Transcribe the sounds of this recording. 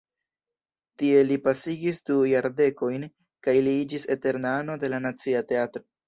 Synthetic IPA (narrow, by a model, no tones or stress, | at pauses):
tie̞lipasiɡisdujaɾde̞ko̞jn | kajliid͡ʒise̞te̞ɾnano̞de̞lanat͡siate̞atɾo̞